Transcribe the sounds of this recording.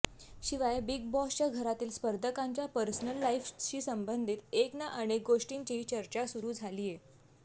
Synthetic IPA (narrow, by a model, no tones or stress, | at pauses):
ɕiʋajbiɡ̚bɔst͡ɕaɡʱəɾat̪iːlspəɾd̪ʱəkãɲt͡ɕjapəɾsənəlːaifɕiːsəmbənd̪ʱiːt̪eknaʔəñek̚ɡoʂʈint͡ɕiɦit͡ɕəɾt͡ɕasuɾuːd͡zʱaliːje